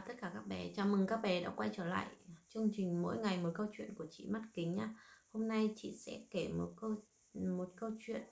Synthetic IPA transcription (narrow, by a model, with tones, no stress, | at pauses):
t̪ə˦˥t̚kaː˧˩kaː˦˥k̚ɓɛ˨˩t͡ɕaː˨˩mɨ˨˩ŋkaː˦˥k̚ɓɛ˨˩ɗa̰ː˧˥kwa˧jt͡ɕəː˧˩la̰ː˧˨jt͡ɕɨ˧əŋ͡mt͡ɕï˨˩ŋ̟mo̰˧˥jŋa˨˩jmo˨˩t̚kə˧wt͡ɕwḭ˧˨ənku˧˩ət͡ɕḭ˧˨ma˦˥t̚kï˨˦ŋ̟ɲaː˧ho˧mna˧jt͡ɕḭ˧˨sɛ̰˧˥ke˧˩mo˨˩t̚kə˧w | mo˨˩t̚kə˧wt͡ɕwḭ˧˨ən